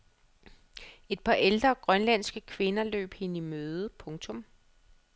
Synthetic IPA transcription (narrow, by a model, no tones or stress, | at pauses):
e̝d̥̚pʰɑ̈ʔeld̥ʁɐɡ̥ʁɶnlæn̰sɡ̥əkʰʋe̝nɐlø̰ːb̥he̝nimøːð̞ˠpʰɔ̽ŋt͡sʰɔ̽m